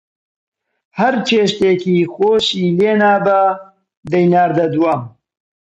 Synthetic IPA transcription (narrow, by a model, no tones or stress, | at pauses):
hɐɾt͡ʃʰeːʃt̪eːkiːxoːʃiːleːnaːba | d̪ɐjnaːɾd̪ɐd̪uwaːm